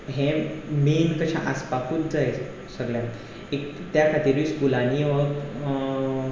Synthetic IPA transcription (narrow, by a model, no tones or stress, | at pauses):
ɦẽmenkəɕã̰ʔaspakʰuːt̪̚d͡zaj | səɡɭjãn | ek | t̪jakʰat̪iːɾʋiskulaniːʋək